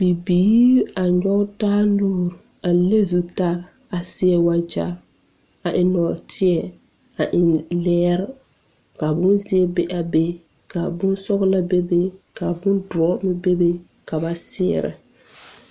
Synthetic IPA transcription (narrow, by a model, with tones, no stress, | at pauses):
b̥i˨biː˦a˨ɲɔ˦taː˦luː˦ɾa˨le˦zu˨ta˦ɾa˨sɪ˦ɛ˦wa˦d͡ʒa̰˦ | a˨ʔɪ˨nɔ˨tʰɪ˦ɛ˨a˨ʔɪ˨nlɛː˦ɾ | ka˨bʊ˦nzɪ˦ɛ˦be˦ʔa˨be˦ | ka˨bʊ˦nsɔ˦ɣla˦be˦be˦ka˨bʊ˦ndʊ˨ɔ˦mɪ˦be˦be˦ | ka˨ba˨sɪ̰ː˦˨ɾɪ̰˨